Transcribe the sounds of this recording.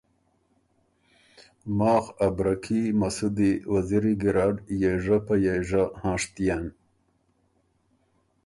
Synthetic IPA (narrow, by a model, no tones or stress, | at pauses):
mɑːxabɾakʰimasud̪iwaziɾiɡiɾɑːɖjeʐapajeʐahɑ̃ːʂt̪ijan